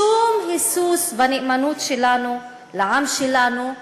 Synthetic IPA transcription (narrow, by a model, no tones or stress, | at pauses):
uːmhisuːsbanɪʔmanuːt̪ʃelanu | laʕamʃelanu